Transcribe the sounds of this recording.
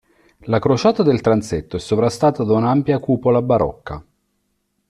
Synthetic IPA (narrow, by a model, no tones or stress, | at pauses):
lakɾot͡ʃaːt̪ad̪elt̪ɾant̪set̪ːoɛsːovɾast̪aːt̪ad̪aunaampjakuːpolabaɾɔ̰kːa̰